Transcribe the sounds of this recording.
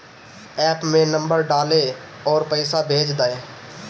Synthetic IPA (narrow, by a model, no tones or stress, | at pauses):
ɛːpmẽːnəmbəɾɖaːleː | ɔːɾpəɪsaːbʱeːd͡ʒd̪aːeː